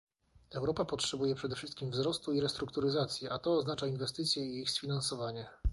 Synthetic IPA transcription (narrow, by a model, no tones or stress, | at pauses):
ɛwɾɔpapɔtʂɛbujɛpʂɛd̪ɛfʂɘst̪̚kʲimvzɾɔst̪uiɾɛst̪ɾukt̪uɾɘzat̪sʲjɛʔat̪ɔːznat͡ʂainvɛst̪ɘt̪sʲjɛiixsfʲinansɔvaɲɛ